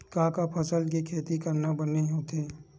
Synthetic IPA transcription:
kãːkapʰɐsəlk̬ikʰeːt̪ikəɾnabəneɦõt̪ʰeː

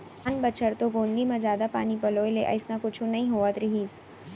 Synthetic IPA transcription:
anbət͡ʃʰəɾt̪oɡoːnɡimãd͡ʒjaːd̪apa̰ːnipɐloːileʔɐ̰ɪsnakʊt͡ʃʰũnɐɦĩɦoːət̪ɾɪɦiːs

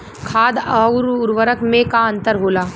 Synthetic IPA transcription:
kʰaːd̪aʊɾʊɾʋəɾəkmẽkaə̃nt̪əɾɦoːlaː

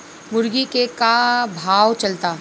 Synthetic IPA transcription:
mʊɾɡikekabʱaːwt͡ʃɐlt̪aː

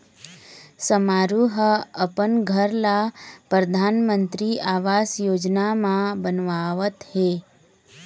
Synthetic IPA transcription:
səmaɾuɦəəpənɡʱəɾlapɾəd̪ʱaːnmə̃nt̪ɾiaːʋaːsjoːd͡ʒnamãbənʋaʋət̪he

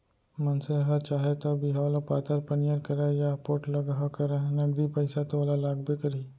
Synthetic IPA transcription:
mɐnseɦɐt͡ʃaːɦet̪ɐbʱiɦalapaːt̪əɾpɐnijəɾkɐɾajapoːʈlɐɡaɦkɐɾanɐɡd̪ipɐɪsat̪olalaːɡbekɐɾiː

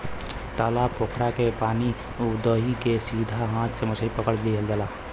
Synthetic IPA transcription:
t̪aːlapoːkʰɾakepaːni | ʊd̪oːɦikesiːd̪ʱaɦãːt̪ʰsemʊt͡ʃʰɾipəkəɽd̪iɦɛld̪əlaː

